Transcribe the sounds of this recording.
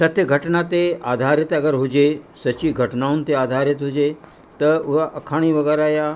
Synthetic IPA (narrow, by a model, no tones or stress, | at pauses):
sɐt̪jəɡʱɐʈnat̪eaːd̪ʱaːɾɪt̪ɐɡəɾɦʊd͡ʒesɐt͡ʃiɡʱɐʈnaɦunt̪eaːd̪ʱaːɾɪt̪ɦʊd͡ʒe | t̪ɐʊɦaʔɐkʰaːɽ̃iʋɐɡɛːɾaːja